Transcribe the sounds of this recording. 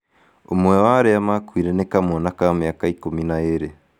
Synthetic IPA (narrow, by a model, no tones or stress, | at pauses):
omwɛwaɾeamakwiːɾenekamonakameakaikominaeɾe